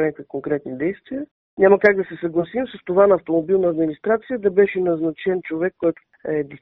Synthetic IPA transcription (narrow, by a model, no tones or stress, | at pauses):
nʲakvit̪koŋkɾɛt̪nid̪ɛjst̪viə | ɲʲaməkaɡ̚d̪ɐsɛsɐɡlˠɐsimsəst̪ovanɐːft̪omobilˠnəːd̪minist̪ɾat̪sijəd̪ɐbɛʃɛnɐznɐt͡ʃɛnt͡ʃovɛkːɔjt̪ | ɛd̪is